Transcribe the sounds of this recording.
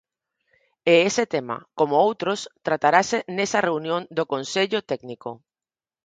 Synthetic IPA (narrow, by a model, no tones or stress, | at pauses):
eeset̪ema̰komoowt̪ɾost̪ɾat̪aɾasenesɐreunjõnd̪okonseʎot̪ɛɡniko